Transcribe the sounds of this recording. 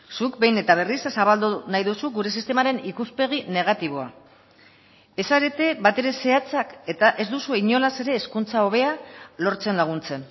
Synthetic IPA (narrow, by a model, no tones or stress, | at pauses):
sukbe̞jne̞t̪aβ̞e̞rissaβald̪unajðusuɡuɾe̞sist̪e̞maɾe̞nikuspe̞ɣ̞ine̞ɣ̞at̪iβ̞o̞a | e̞saɾe̞t̪e̞bat̪e̞ɾe̞se̞at͡sake̞t̪aʔe̞zd̪usuiɲo̞lase̞ɾe̞ːskunt͡sao̞β̞e̞alo̞ɾt͡se̞nlaɣ̞unt͡se̞n